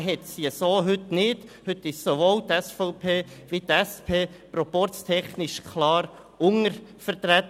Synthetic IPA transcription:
ɦɛt̪siasoːɦʏt̪nɪd̥hʏtːɪʃsoʋoːlt̪ɛsfɔʊpʰeː | ʋit̪ɛspʰeː | pɾɔpɔɾt͡st̪ʰɛχnɪʃkʰlɑːɾ | ʊŋəɾfəɾt̪ɾæt̪

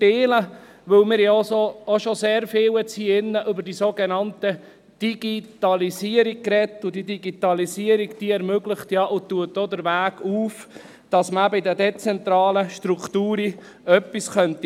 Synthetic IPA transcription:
eːlə | ʋɵwmɪːɾjɑosoːʃɔseːɾfɪːwɛt͡siɪnːəʔʏbəɾdiːsoɡenɑntə | d̥iɡ̥it̪ɑlisiəɾik̚kɾɛt̪ːʊd̥̪idiɡit̪ɑlisiːəɾiɡd̥iɛɾmøɡlɪχtjɑʔʊt̪uət̪ːod̪əɾʋæːɡuːf | d̥ɑsməæbəɪdədɛt͡sɛnt̪ɾɑːləʃtɾukt̪uːɾi | œpːisχœnti

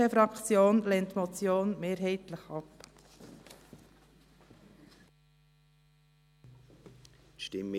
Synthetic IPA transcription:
əfɾɑkt͡sjoːnlɛntmɔt͡sjoːnmeːɾɦɛɪt̪ləχɑp | tʃtɪm

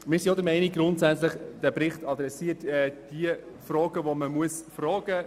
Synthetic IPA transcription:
mɪsijodəɾmɛɪniɡɾʊntsɛt͡slɪχd̥æbɾɪχtʰɑd̪ɾɛsiːətɛːd̥iə | frɔːɡəvoməmuəsfrɔːɡ̥ə

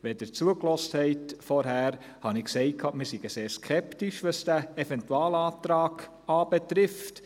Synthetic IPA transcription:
ʋɛd̥əɾt͡suəklɔsthɛɪtfɔɾɦæːɾ | hɑnɪksɛɪt̚kʰɑːmɪɾsiɡəseːɾskʰɛptiʃʋɑsd̥æɛfɛntuɑːlɑːtɾɑːɡ̥ | ɑːb̥ɛtɾɪft

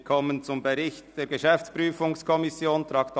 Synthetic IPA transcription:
kʰɔmənt͡sʊmbeʁɪçtd̥eːɾɡəʃɛft͡spʁyːfʊŋskʰɔmɪsjoːntɾʁɑkt

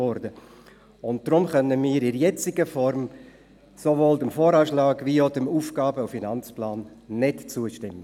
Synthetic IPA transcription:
ɔɾdə | ʊnt̚d̥ɾʊmχœnəmiːɾɪɾjɛt͡sɪɡəfɔɾm | soʋoːldəmfoːɾɑːʃlɑːɡviodəmuːfɡɑːbəufinɑnt͡splaːnːɪtt͡suːəʃtɪmːə

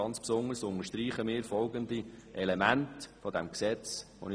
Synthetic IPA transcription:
ɑnt͡spsʊŋəɾsʊnəɾʃtriːχəmɪːɾfɔlɡənd̪iʔɛlemæntfɔd̪æmksɛt͡sʋo̰nɪ

